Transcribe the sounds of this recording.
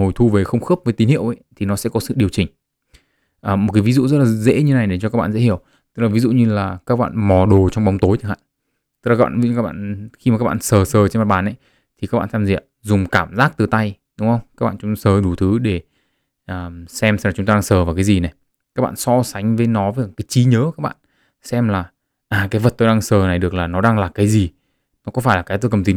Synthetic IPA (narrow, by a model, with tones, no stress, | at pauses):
ho˨˩jt̪ʰu˧ve˨˩xə˧wŋ͡mxəː˦˥p̚və˨˦t̪i˨˦nhḭ˧˨əwʔə˨˦jt̪ʰi˨˩nɔ˨˦sɛ̰˧˥kɔ˨˦sɨ̰˧˨ɗi˨˩əwt͡ɕï˨˩ŋ̟ | ʔəː˨˩mo˨˩t̚ka˨˦vi˨˦zṵ˧˨zə˦˥t̚laː˨˩˦zḛ˧˥ɲɨ˧na˨˩jɗe˧˩t͡ɕɔ˧kaː˦˥k̚ɓa̰ː˧˨zḛ˧˥hi˧˩əw | t̪ɨ̥˦˥k̚laː˨˩vi˨˦zṵ˧˨ɲɨ˧laː˨˩kaː˦˥k̚ɓa̰ː˧˨nmɔ˨˩ɗo˨˩t͡ɕɔ˧wŋ͡mɓa˨˦wŋ͡mt̪o˨˦jt̪ʰɨ˨˦˩ha̰ː˧˨ | t̪ɨ̥˦˥k̚l̚ːɓa̰ː˧˨vi˧˦˧kːaː˦˥k̚ɓa̰ː˧˨nxi˧ma˨kaː˦˥ɓa̰ː˧˨nsəː˨˩səː˨˩t͡ɕe˧nma˨˩ɓaː˨˩nʔə˨˦j | t̪ʰi˨˩ka˦˥k̚ɓa̰ː˧˨˩t̪ʰa˧mzḭ˧˨əp̚zʊ˨˩ŋ͡mkaː˧˩mzaː˦˥k̚t̪ɨ˨˩t̪a˧j | ɗʊ˨˦ŋ͡mxə˧wŋ͡mkaː˦˥k̚ɓ̰ːt͡ɕʊ˨˦ŋ͡msəː˨˩ɗu˧˩t̪ʰɨ˨˦ɗe˧˩ | ʔəː˨˩sɛ˧msaː˨˩t͡ɕʊ˨˦ŋ͡mt̪aː˧aː˧ŋsəː˨˩vaː˨˩kaː˨˦jzi˨˩na˨˩j | kaː˦˥k̚ɓ̰a̰ː˧˨nsɔ˧sa˨˦jŋ̟vəː˨˦jnɔ˨˦vəː˨˦a˨˩kaː˨˦jt͡ɕi˨˦ɲəː˨˦kaː˦˥k̚ɓa̰ː˧˨n | sɛ˧mlaː˨˩ | ʔaː˨˩kaː˨˦jvə˨˩t̚t̪o˧jɗaː˧ŋsəː˨˩na˨˩jɗɨ˨˩ək̚laː˨˩nɔ˨˦ɗaː˧ŋlaː˨˩kaː˨˦jzi˨˩ | nɔ˨˦kɔ˨˦faː˧˩jlaː˨˩kaː˨˦jt̪o˧kə˨˩mt̪i˨˩